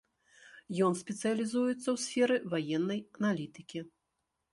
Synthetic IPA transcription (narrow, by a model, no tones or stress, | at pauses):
jɔnsʲpʲɛt̪sɨjɐlʲizujut̪sːɐwsʲfʲɛɾɨvajɛnːɐjɐnalʲit̪ɨkʲi